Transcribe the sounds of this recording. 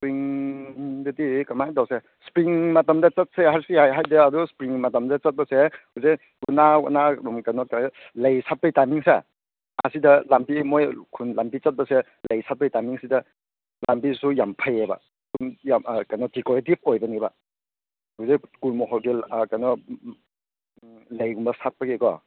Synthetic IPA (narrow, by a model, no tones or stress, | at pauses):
spɾiŋ | dɐdikɐmajdawse | spɾiŋmatɐmdɐt͡ʃɐt̚seɦaɾsiajɦajdɐːduspɾiŋmatɐmdɐt͡ʃɐt̚bɐsehuze | kunawa̰namkajnɔka | lɐjsat̚pɐjtamiŋsḛ | a̰sidɐlampimojkʰunlampit͡ʃɐt̚bɐse | lɐjsat̚pɐjtajmiŋsidɐ | la̰mpisujampʰajeba̰ | kunjamkajnɔdikɔɾetib̚ojbɐniba | huzejkulmɔɦɔlɡikajnɔ | lɐjɡumbɐsat̚paɡekɔ̰